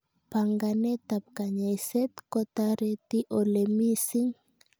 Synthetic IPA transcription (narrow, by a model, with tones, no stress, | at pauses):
pa˨ŋɡane˦t̪a˨p̚ka˨ɲa˨jse˦t̪kot̪aɾe˦t̪i˦ʔo˨le˨mi˦si˦ŋ